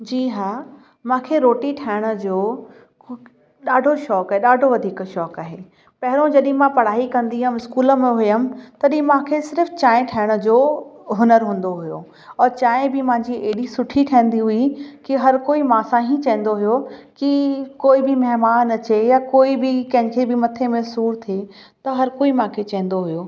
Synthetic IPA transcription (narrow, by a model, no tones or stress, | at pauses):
d͡ʑiːɦaː | mãːkʰeɾoːʈiʈʰaːɪɽ̃ə̆d͡ʑoː | ɗaːɖʱoʃɔːkaːɦeɗaːɖʱoʋɐd̪ʱiːkʃɔːkaːɦeː | pɐɦɪɾõd͡ʑɐɗɪ̃mãpɐɽ̤aːikɐ̃nd̪iɦʊmɪskuːləmẽɦʊjəmt̪ɐɗ̃mãːkʰesɪɾft͡ɕaːɪ̃ʈʰaːɪɽ̃ʊ̆d͡ʑoːɦʊnəɾɦũːn̆d̪oɦʊjo̰ | ɔːɾt͡ɕaːɪ̃bɪmãɲd͡ʑieɗisʊʈʰiʈʰɐːɪ̃nd̪iɦʊikiɦɐɾkoːimãːsãːɦĩt͡ɕɐ̃ɦɪ̃n̆d̪oɦʊjokikoːibɪmɐɦmaːnɐt͡ɕejaːkoːibɪkɐ̃ɦɪ̃kʰebɪmɐt̪ʰemẽsuːɾt̪ʰie | t̪ɐɦɐɾkoːimãkʰet͡ɕɐ̃ɦə̃n̆d̪oɦʊjoː